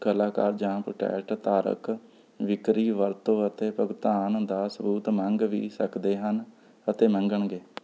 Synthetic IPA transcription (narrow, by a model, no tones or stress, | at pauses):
kəlaːkaːɾd͡ʒãːpɾoʈɛ̰ːʈt̪aːɾə̰k | ʋɪkɾiːʋəɾt̪õːət̪eːpəɡt̪aːnd̪aːsəbuːt̪mə̃ŋɡʋḭːsəkd̪eːɦən | ət̪eːmə̃ŋɡəɳɡeː